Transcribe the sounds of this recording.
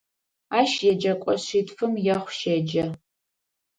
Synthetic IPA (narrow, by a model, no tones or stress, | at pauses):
aːʃjɛd͡ʒɐkʷʼɔɕiːtfɨmjɛχʷʃed͡ʒɐ